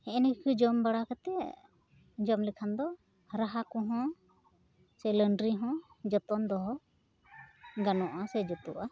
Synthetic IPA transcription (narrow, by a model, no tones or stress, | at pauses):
ɛɛnkʰɯd͡ʒɔmbaɽakat̪ɛ | d͡ʒɔmlikʰand̪ɔ | ɾaɦakuɦɔ̃ | sɛləɳɖɾiɦɔ̃ | d͡ʒɔt̪ɔnd̪ɔɦɔ | ɡanɔ̃ʔasɛd͡ʒɔt̪uʔa